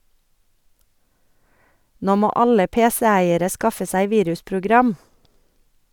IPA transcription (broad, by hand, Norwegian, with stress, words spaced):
ˈnoː ˈmoː ˈɑlə ˈpeːsɛ ˈæɪəɾə ˈskɑfə ˈsæɪ ˈʋiːɾʉspɾʊˌɡɾɑm